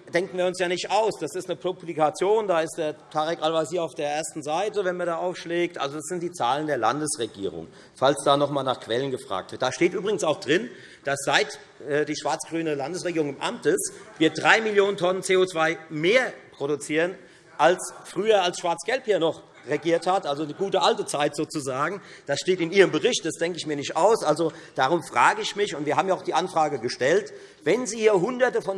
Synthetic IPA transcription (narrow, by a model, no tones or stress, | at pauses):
d̥ɛŋk̚n̩viːɐʊnsjaːnɪçtʔaʊsd̥asɪstnəpʁ̥oplikat͡sjoːndaːɪstd̥eːɐtʰaʁɛkʔalvashiːɐaʊfd̥eːɐʔeːɐstn̩zaɪtəvɛnmaːɐdaːʔaʊfʃlɛːk̚tʔa̰lzod̥asz̥ɪnt̚d̥iːt͡saːləndeːɐla̰ndəsʁeɡḭːʁ̞ʊ̰ŋ | falsd̥aːnɔχmaːlnaːχkv̥ɛlənɡəfʁ̥a̰ːk̚tv̥ɪɐt̚d̥aʃteːtʔyːbʁɪɡən̩saʊxd̥ʁɪn | d̥asz̥aɪt | ʔɛːdiːʃv̥aɐt͡sɡ̥ʁyːnəlandəsʁ̥eɡiːʁʊŋɪmʔa̰mtɪsviːɐdʁaɪmɪljoːnəntʰɔnənt͡seːot͡sv̥aɪmeːɐpʁ̥oɾut͡siːʁən | ʔalsfʁ̥yːɐalsʃv̥aɐt͡sɡ̥ɛlphiːɐnɔχ | ʁeɡiːɐthatʔalzonəɡuːtəʔaltət͡saɪtz̥oːt͡suzaːɡŋ̩d̥asʃteːtɪniːʁəmbəʁɪçt̚d̥asd̥ɛŋkəɪçmiːɐnɪçtʔaʊsʔalzod̥aːʁʊmfʁ̥aːɡəɪçmɪçʊntv̥iɐaːbmjaaʊxd̥iːʔanfʁ̥aːɡəɡəʃtɛlt | vɛnziːhiːɐɦʊndɐtəfɔn